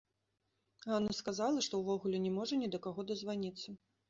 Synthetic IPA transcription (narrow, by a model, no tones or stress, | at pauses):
ɣanɐskazalˠɐʂt̪ɔwvɔɣulʲɛnʲɛmɔʐɐnʲid̪ɐkaɣɔd̪ɐzvanʲit̪sːɐ